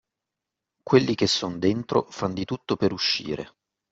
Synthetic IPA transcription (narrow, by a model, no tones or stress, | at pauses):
kwelːik̟esːond̪ent̪ɾo̰fand̪it̪ut̪ːopeɾuʃːḭːɾḛ